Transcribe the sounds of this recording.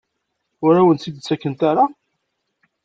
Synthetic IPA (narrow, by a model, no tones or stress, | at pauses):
ʊɾæwənt͡sːid̪t͡sːækːənt̪aɾa